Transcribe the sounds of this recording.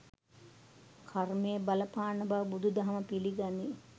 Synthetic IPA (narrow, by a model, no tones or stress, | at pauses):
kʰarmejəbaləpaːnɐbaʋbud̪ud̪ɐɦɐməpiliɡani